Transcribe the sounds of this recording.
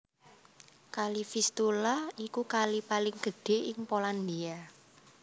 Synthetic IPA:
kalifist̪ulaikukalipalɪŋɡ̥ə̤ɖ̥e̤ʔɪŋpoland̪ia

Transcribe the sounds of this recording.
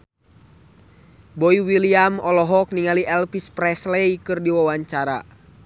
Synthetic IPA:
bɔiwiliamɔlɔɦɔk̚niŋaliʔɛlpispɾɛslɛjkɨrdiwawaɲt͡ʃaɾa̰

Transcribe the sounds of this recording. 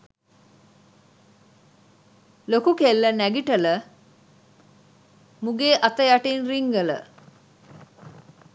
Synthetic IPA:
lokukelːənæɡiʈələ | muɡeːʔat̪əjaʈinriŋɡələ̰

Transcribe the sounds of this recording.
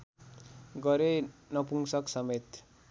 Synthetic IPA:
ɡʌɾenʌpuŋsʌksʌmet̪

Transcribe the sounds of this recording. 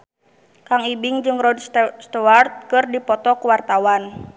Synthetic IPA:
kaŋibiŋd͡ʒɨŋrɔdsst̪ɔart̪̚kɨrdipɔt̪ɔkuwart̪awan

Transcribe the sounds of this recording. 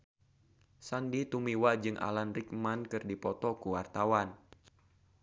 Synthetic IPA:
sandit̪umiwad͡ʒɨŋʔa̰lanrik̚mankɨrdipɔt̪ɔkuwart̪awan

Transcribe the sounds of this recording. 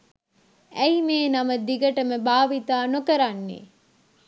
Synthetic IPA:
æimeːnaməd̪iɡəʈəməbaːʋit̪aːnokəɾanːḛ

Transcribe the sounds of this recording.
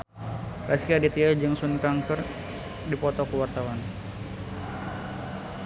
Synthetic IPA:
ɾaskiadit̪iad͡ʒɨŋsunkaŋkər | dipɔt̪ɔkəwart̪awan

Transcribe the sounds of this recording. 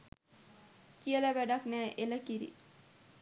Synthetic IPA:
kiələʋæɖaknæːʔeləkiɾḭ

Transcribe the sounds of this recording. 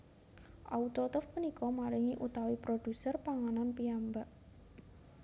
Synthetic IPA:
ʔaut̪ɾɔt̪ɔfpunikɔmaɾiŋiʔut̪awipɾod̪̥ṳsərpaŋananpiambaʔ

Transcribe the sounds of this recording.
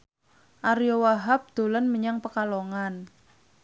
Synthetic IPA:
ʔaɾijowaɦap̚d̪̥o̤lənməɲaŋpəkaloŋan

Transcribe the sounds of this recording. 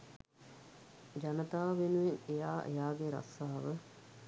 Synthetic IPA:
d͡ʒanət̪aːʋenuʋenejaːʔḛjaːɡeɾa̰saːʋə

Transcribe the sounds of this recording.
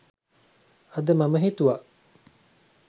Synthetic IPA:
ɐd̪əmɐməɦit̪uʋaʔ

